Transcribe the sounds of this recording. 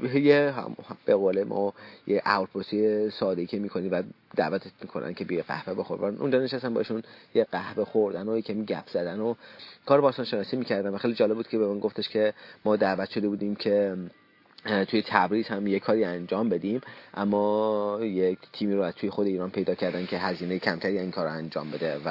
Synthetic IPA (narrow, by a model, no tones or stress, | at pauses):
jeɦæ̰mb̥eɣoːlemʔɒ̰ːjeʔæ̰ɾpɾosijesɒːd̪eicʲʰemiːkʰoniːmvæd̪æ̰ːvæt̪ʰet̪mikʰonʔæ̰ncʰebijeɡæ̰hveboxoɾdboɾnʔṵnd͡ʒɒːneʃæst̪ænbɒ̰ːeʃunjeɢæhve̞xoɾd̪ænojecʰæmiːɟæpʰz̥æd̪ænokʰɒːɾebɒːst̪ɒːnʃenɒːsiːmiːcæɾd̪ænvæxelid͡ʒɒːle̞buːd̪̚cʰe̞bemænɡoft̪ʰeʃcʰe̞mɒːd̪æːvæt̪ʃo̞d̪ebuːd̪iːmcʰe̞ | t̪ʰuːjet̪ʰæbɾiːz̥hæmjekʰɒːɾiːænd͡ʒɒːmbe̞d̪iːmʔæmːɒːjekt̪ʰiːmiːɾoæzt̪uːjexod̪eiːɾɒːnpʰejd̪ɒːcʰæɾd̪æncʰe̞ɦæziːnejecʰæmt̪ʰæɾiæziːnkʰɒːɾoænd͡ʒɒ̰ːmbe̞d̪evæ